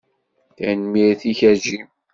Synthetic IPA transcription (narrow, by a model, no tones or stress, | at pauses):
θænmiɾθiçæd͡ʒim